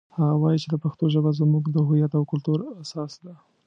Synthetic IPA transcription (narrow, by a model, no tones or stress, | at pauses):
haɣawɑjit͡ʃelapaxt̪oʒəbazmuɡd̪əɦʊjat̪awkʊlt̪uɾasɑsd̪a